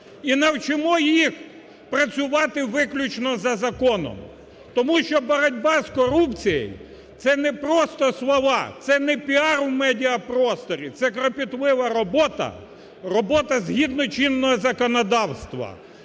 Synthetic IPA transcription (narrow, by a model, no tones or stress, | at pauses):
inɐwt͡ʃɪmɔjix | pɾɐt͡sʲʊʋɑt̪ɪʋɪklʲʊt͡ʃnɔzɐzɐkɔnɔ̰m | t̪ɔmuʃt͡ʃɔbɐɾɐdʲbɑskɔɾupt͡sʲijḛj | t̪sɛnɛpɾɔst̪ɔslˠɔʋɑ̰t̪sɛnɛpʲiɑɾwmɛdʲiɐpɾɔst̪ɔɾʲit̪sɛkɾɔpʲit̪lˠɪʋɐɾɔbɔt̪ɐ̰ | rɔbɔt̪ɐzɦʲid̪̚nɔt͡ʃinːɔɦɔzɐkɔnɔd̪ɑwst̪ʋɐ̰